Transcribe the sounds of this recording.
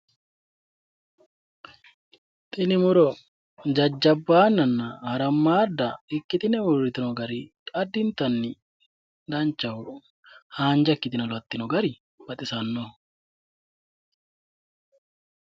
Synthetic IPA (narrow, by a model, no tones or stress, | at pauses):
t̪ʼɪnɪmʊɾɔ | d͡ʒɐd͡ʒːɐbːaːnːɐnːɐhɐɾɐmːaːd̪ːɐɪkːɪt̪ɪnɛʊɾɪt̪ɪnɔɡɐɾɪkʼɐd̪ːɪnt̪ɐnːɪ | d̪ɐnt͡ʃːɐwʊ | haːnd͡ʒɐkːɪt̪ɪnɐlɐt̪ːɪnɔɡɐɾɪ | bɐt̪ʼɪsɐnːɔ